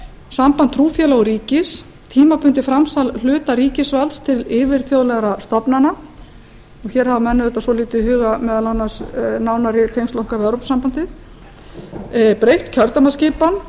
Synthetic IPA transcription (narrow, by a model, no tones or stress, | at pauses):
sampant̪ʰːɾuːfjɛlaɣɔɾiːcɪs | t̪ʰiːmapʰʏnt̪ɪfɾamsall̥ʏːt̪aɾiːcɪsvalst̪ʰɪlɪːvɪɾ̥θjowðlɛɣɾast̪ɔpnana | ɔçɛːɾ̥havamɛnːʏðɛt̪asɔliːt̪ɪhʏːɣamɛːðalanːasnaːwnaɾɪt̪ʰejnst̪lɔwhkavɛwɾowpsampant̪ɪθ | pɾejht̪cʰœɾt̪amascɪːpan